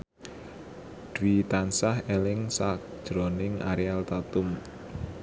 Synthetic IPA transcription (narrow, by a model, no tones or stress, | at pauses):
d̪̥wit̪ansahelɪŋsakd̥ʒ̥ɾɔnɪŋʔa̰ɾialt̪at̪ʊm